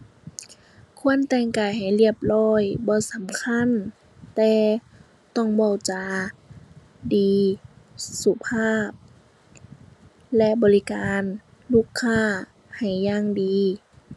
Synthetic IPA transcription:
kʰu˧˥˨ənt̪ɛː˧˩ŋkaː˨˩jɦa˨˩jli˧˥˩əp̚lɔː˧˥˩jbɔː˧˦sa˨˦mkʰa˧˥˨n | t̪ɛː˧ | t̪ɔ˧˥˩ŋbɔː˧˩wt͡ɕa˧ | diː˨˦ | su˧˩pʰaː˧˥˩p̚ | lɛ˧˥ʔbɔː˨li˦˧kaː˨n | luː˧˩˨kʰːaː˧˥˩ | ha˨˩jːaː˧˨ŋdiː˨˧

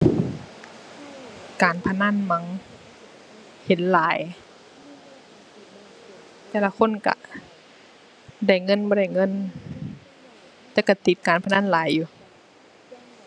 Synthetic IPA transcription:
kaː˨˦npʰa˧naː˧˥˨nma˧˦ŋ | he˨˦nlaː˨˦j | t̪ɛː˧˩la˧kʰo˧˥˨nka̰˧˩ | da˧˩jŋɤ˧˥˨nbɔː˧ɾa˧˩jŋɤ˧˥˨n | t̪ɛː˧˩ka˧˩t̪i˨˦t̪̚kaː˨˦npʰa˧naː˧˥˨nlaː˨˦jːuː˧˦

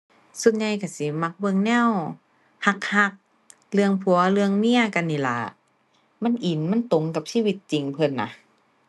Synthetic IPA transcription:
su˧˩t̪̚ɲa˧jka˧˩si˨˦ma˧˩k̚bɤ˧ŋnɛ˧˥˨w | ha˧k̚ha˧k̚ | lɯ˧əŋpʰu˧˩˦ɐlɯ˧əŋni˧˥˨ɐka˧˨nːiː˧˩la̰˨˩˦ | ma˧˥˨nʔi˨˩nma˧˥˨nt̪o˨˩ŋka˨˩p̚siː˧˥˨wi˧˦t̪̚t͡ɕi˨˩ŋpʰɤ˧˨nːa̰˧

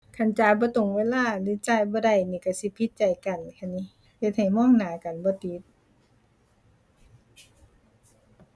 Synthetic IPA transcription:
kʰa˧˩˨nt͡ɕaː˧˦jbɔː˧˦t̪o˨˩˨ŋweː˧˥˨laː˧˥˨lɯ˧˥˦t͡ɕaː˧˨jbɔː˧˦da˧˩˨jniː˧˩ka˧˩si˧˦pʰi˧˦t̪̚t͡ɕa˨˩jka˨n˨kʰa˧˩nːi˧˦ | he˧˦t̪̚ha˨˩jmɔː˧˥˨ŋnaː˨˦ka˨nbɔː˧˦t̪i˧˦t̪̚

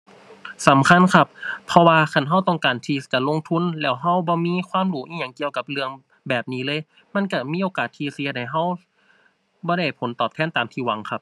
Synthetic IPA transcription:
sa˨˦mkʰa˧˥˨nkʰa˧pʰːɔ˧waː˧kʰa˧˩˨nɦa˧˥˩wt̪ɔ˧˩ŋkaː˨˩nt̪ʰiː˧˩t͡ɕa˧˩lo˧˥˨ŋt̪ʰu˧˥˨nlɛː˧˩wɦa˧˥˨wbɔː˧˦miː˧˥˨kʰwaː˧˥˨mluː˨˦ʔiː˧˨ɲa˧˩ŋki˧əwka˧p̚lɯ˧əŋ | bɛː˨˩p̚niː˧˦˥lɤː˧˨j | ma˧˥˨nka˧˩miː˧˥˨ʔoː˨kaː˨˩t̪ʰːiː˧si˧˦˧da˨˩jɦa˧˩˨w | bɔː˧ɾa˧˩jpʰo˨˦nt̪ɔː˨˩p̚t̪ʰɛː˧˥˨nt̪aː˨mt̪ʰiː˧˩wa˨˦ŋkʰa˧p̚

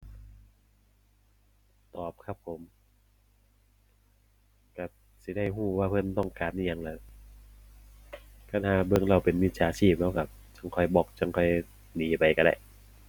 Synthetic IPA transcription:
t̪ɔː˨˩p̚kʰa˦˥pʰːo˨˦m | ka˧˩ | si˨˧˦da˥˩jɦuː˥˩waː˧˩pʰɤ˧˥˨nt̪ɔ˥˩ŋkaː˨nʔa˧˩˨ɲa˧ŋlɛː˧ | kʰa˧nhaː˧˩bɯ˧əŋɾa˧˩wpe˨nmi˦˥t̪̚t͡ɕʰaː˨˦t͡ɕʰiː˥˩p̚lɛ˦˥˩ka˧˩t͡ɕa˧˩ŋkʰɔ˧˩jbɔː˨˩k̚t͡ɕa˧˩˨ŋkʰɔ˧˩j | niː˨˦pa˨˧jka˧˩da̰˧˩j

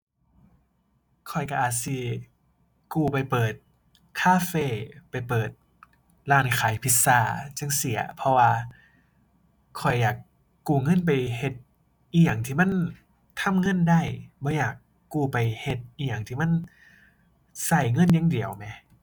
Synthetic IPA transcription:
kʰɔ˨˩jka˧ʔaː˨˩t̪̚si˧ | kuː˧˩pa˨˩jpɤː˨˩t̪̚ | kʰaː˧˨feː˧˩pa˨˩jpɤː˨˩t̪̚ | laː˧˩nkʰaː˨˦jpʰi˧˦t̪̚saː˧˩t͡ɕa˧˥˨ŋsi˨˩˦ɐpʰɔ˧waː˧ | kʰɔ˨˩jːaː˨˩kː | uː˧˩ŋɤ˧˥˨np̬a˨˩jhe˧t̪̚ | ʔiː˧˨jaː˨˩ŋt̪ʰiː˧ma˧˥˨n | t̪ʰa˧˥˨mŋɤ˧˥˨nda˧˩˨jbɔː˧˦jaː˨˩kː | uː˧˩pa˨˩jhe˧˩t̪̚ʔiː˧jaː˨˩ŋt̪ʰiː˧˩ma˧˥˨n | sa˧˩jŋɤ˧˥˨nja˧˥ŋdi˨˩əwmɛ˧˦

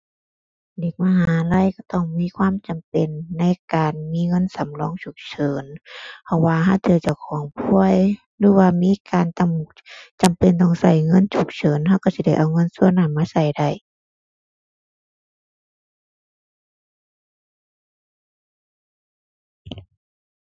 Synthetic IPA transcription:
de˧˩k̚maː˧ɦaː˧˨˦la˧˨jka˧˩t̪ɔ˧˩ŋmiː˧˥˨kʰwaː˧˥˨mt͡ɕa˨˩mpe˨nːa˧˥˨jkaː˨nmiː˧˥˨ŋɤ˧˥˨nsa˨˦mlɔː˧˥˨ŋt͡ɕʰu˧˩k̚t͡ɕʰɤː˨˦npʰɔ˧˩waː˧ɦa˧˥˨wt̪ʰɯ˧˩˨t͡ɕa˧˩wkʰɔː˨˦ŋpʰu˧˨əj | lɯː˧˦waː˧miː˧˥˨kaː˨nt͡ɕa˧˨m | t͡ɕa˨mpe˨nt̪ɔː˧˩ŋsa˧˩jŋɤ˧˥˨nt͡ɕʰu˧˩k̚t͡ɕɤː˨˦nɦa˧˥˨wka˧˩si˧˦da˧˩jʔa˨˩wŋɤ˧˥˨nsu˧˥˧naː˧˩mːaː˧˥˨sa˧˩jda˧˩j

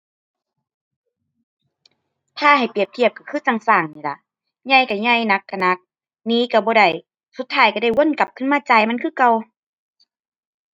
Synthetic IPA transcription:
t̪ʰaː˧˩ha˨˩jpi˨˩əp̚t̪ʰi˧˩əp̚ka˧˩kʰɯː˧˥˨saː˧˩ŋsaː˨˩ŋniː˧˨˩la˧˦ʔ | ɲa˧˩jka˧˩ɲa˧˩jna˧˥kʰːa˧˩na˧˦k̚ | niː˧˦ka˧˩bɔː˧˦da˧˩j | su˧˦t̪̚ʰːaː˧˩jka˧˩da˧˩jwu˧˥˨nka˨˧˦p̚kʰɯ˧˥˨maː˧˥˨t͡ɕaː˧˩jma˧˥˨nkʰɯː˧˥˨ka˧w

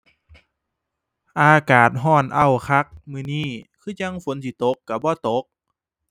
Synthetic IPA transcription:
ʔaː˧kaː˨˩t̪̚ɦɔː˧˥˩nʔa˧˩wkʰa˧˥˩k̚mɯː˧˩niː˧˩kʰɯː˧˥˨ɲa˧˨ŋfo˨˦nt̪ʰiː˧˦t̪o˨˦kːa˧˩bɔː˧˦t̪o˨˦k̚

